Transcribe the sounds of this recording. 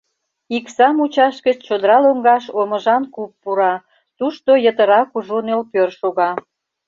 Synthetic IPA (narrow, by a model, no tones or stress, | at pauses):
iksɑmut͡ɕɑʃkət͡ɕt͡ɕod̪əɾɑloŋɡɑʃoməʒɑnkupːuɾɑ | t̪uʃt̪ojət̪əɾɑkuʒonelpørʃoɣɑ